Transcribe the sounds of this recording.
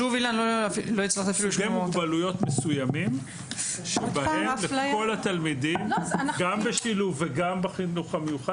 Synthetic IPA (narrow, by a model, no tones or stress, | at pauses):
uvilanlofilo̞it͡slaχt̪iafiluʃembalujo̞t̪mesujamim | ʃebaemlelao̞lat̪almidimɡambeʃiluveɡambeχinuχamejuχad